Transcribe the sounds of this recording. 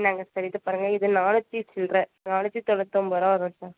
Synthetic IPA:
naːŋɡɐsɐɾɪt̪ːɯpaːɾɯŋɡɐɪðɯnaːlɐt͡ʃːisɪlɾɛ | naːɭɐt͡ʃːit̪ɔlɐt̪ːomʋɐɾaːɐɾõsaːɾ

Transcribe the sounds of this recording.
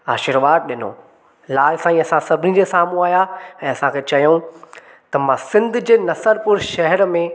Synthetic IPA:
aːʃɪɾʋaːd̪̚ɗɪno̰ː | laːlsãːĩːɐsãsɐbʱɪnid͡ʑesaːmũaːjaɛ̃ːɐsãkʰeːt͡ɕɐjũ | t̪ɐmãsɪ̃nd̪ʱd͡ʑeːnɐsəɾpʊɾʃɐɦɛɾmẽ

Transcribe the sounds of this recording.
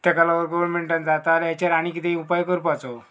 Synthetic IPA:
t̪ɛkalaʋəɾɡɔʋəɾmeɳʈãnd͡zat̪aːljat͡ɕaɾaɽ̃ikit̪eiupajkəɾpat͡so

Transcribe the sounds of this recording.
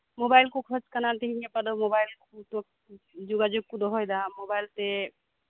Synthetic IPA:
mobajlkokʰɔt͡ʃkənalt̪iɦinepəd̪omobajlkut̪ok | d͡ʒuɡad͡ʒuɡ̚kud̪oɦojd̪amobajlt̪e

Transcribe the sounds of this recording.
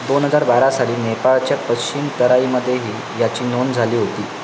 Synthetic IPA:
d̪onɦəd͡zaɾbaɾasaɽiːnepaɭt͡ɕjapət͡ɕimt̪əɾaiːməd̪ʱːjeɦiː | jat͡ɕiːnond͡zʱaliːɦot̪iː

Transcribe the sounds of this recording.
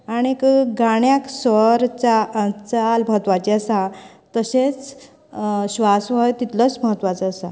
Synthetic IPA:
aɽ̃ikɡaɽjaksʋəɾt͡ɕaət͡salməɦət̪ʋat͡ɕiəsa | t̪əɕet͡s | ɕʋasʋəjt̪it̪lət͡sməɦət̪ːʋat͡səəsa

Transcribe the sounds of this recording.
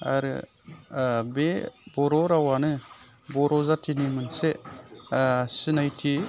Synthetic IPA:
a̰ɾɯ̰ | bebɔɾɔɾawanɯ | bɔɾɔzatʰinimɯnse | sɯnajtʰi

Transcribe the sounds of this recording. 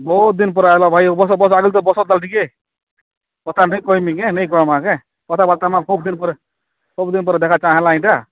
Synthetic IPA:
bɔut̪̚d̪inp̬ɔɾalabʱajbɔsɔbɔsaɡilt̪ɔbɔsɔt̪̚d̪alʈʰike | pɔt̪ʰanəjkɔimikenəikɔɾmãke | pɔt̪ʰabalt̪amãkʰub̚d̪inpɔɾ | kobd̪inpɔɾd̪ekʰat͡ʃaɦẽlaĩʈa

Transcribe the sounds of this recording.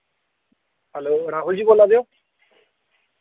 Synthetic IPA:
hɛloɾaɦuld͡ʑibolːad̪eo

